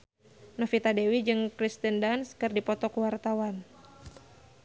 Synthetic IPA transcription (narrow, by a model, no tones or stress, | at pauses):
nɔfit̪adewid͡ʒɨŋkɾist̪əndanskɨrdipɔt̪ɔkuwart̪awan